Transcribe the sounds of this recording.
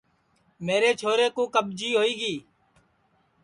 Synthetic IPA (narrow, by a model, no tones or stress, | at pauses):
meːɾeːt͡ʃʰoːɾeːkũːkəbd͡ʒiːɦoːiːɡiː